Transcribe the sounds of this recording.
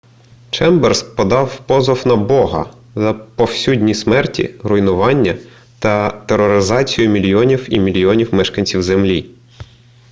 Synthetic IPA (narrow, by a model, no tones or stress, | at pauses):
t͡ʃɛmbɛrspɔd̪ɑwpɔzɔwnɐbɔɦɐ̰ | zɐpɔwsʲudʲnʲismɛrtʲḭɾʊjnʊʋɑnʲːɐ | t̪ɐt̪eɾɔɾɪzɑt͡sʲijʊmʲilʲjɔnʲiwimʲilʲjiɔnʲiwmɛʃkɐnʲt͡sʲiwzemlʲi